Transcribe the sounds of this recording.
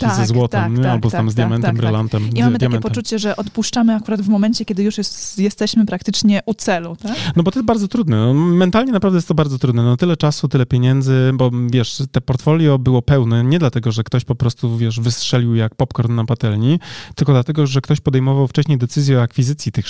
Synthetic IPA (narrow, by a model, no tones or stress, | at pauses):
iazɛzwɔt̪ɛmɲɛalbɔst̪amzd̪jamɛnt̪ambɾɨlant̪ɛmimadɘt̪amɛnpɔmt͡ʂut͡ɕɛʐɛʔɔt̪puʂt͡ʂamɘakuɾad̪vmɔmɛnt͡ɕɛkʲɛd̪ɘjuʂjɛst̪ɛɕmɘpɾak̚t̪ɘt͡ʂɲɛʔut̪sɛlut̪anɔbɔt̪ɔjɛsbaɾd̪zɔt̪ɾud̪nɛnɔmɛnt̪alɲɛnapɾavd̪ɛjɛst̪ɔbaɾd̪zɔt̪ɾud̪nɛnt̪ɘlɛt͡ʂasut̪ɘlɛpʲjeɲɛnd̪zɘbɔvʲjɛʂt̪ɛpɔɾt̪fɔlʲjɔbɘwɔpɛwnɛɲɛd̪lat̪ɛɡɔʐɛkt̪ɔɕpɔpɾɔst̪uvʲjɛʂvɘstʂɛlʲiwjak̚pɔpkɔɾt̪ːapat̪ɛlɲit̪ɘlkɔd̪lat̪ɛɡɔʐɛkt̪ɔɕpɔd̪ɛjmɔvawft͡ʂɛɕɲejd̪ɛt̪sɘzʲjɛɔakfʲizɘt̪sʲjit̪ɘx